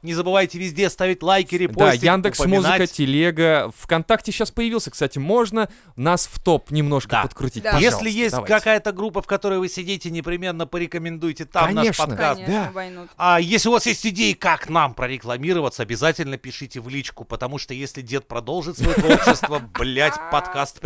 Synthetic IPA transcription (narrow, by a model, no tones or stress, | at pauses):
nʲɪzəbɨvajtʲɪvʲɪzʲdʲest̪avʲɪtʲlˠajkʲɪɾʲɪp̪ojand̪ɨksəmmuzɨakətʲɪlʲeɡəfkɐnt̪aktʲɪɕːaspəjɪvʲilˠsʲəkst̪atʲɪmo̞ʐnə | nasft̪o̞pnʲɪmno̞ʂkə̰pət̪kɾʊtʲitʲjesʲlʲɪjesʲd̪tʲkɐkajət̪əɡɾupːəfkɐt̪o̞ɾəjvɨsʲɪdʲitʲɪnʲɪpɾʲɪmʲe̞nːəpəɾʲɪkəmʲɪnd̪ujɪtʲɪt̪amnaʂeʂpɐtnəkast̪d̪abɐj̪uajesʲlʲɪʊvasjesʲtʲɪdʲejɪkaknampɾəɾʲɪklˠɐmʲiɾəvət̪səɐbʲɪzatʲɪlʲnəpʲɪʂɨtʲɪvlʲit͡ɕkʊpət̪ɐmuʂt̪ojesʲlʲɪdʲe̞t̪̚pɾɐd̪o̞lˠʐɨt̪svɐjʃɪst̪vəblʲætʲpɐt̪kast̪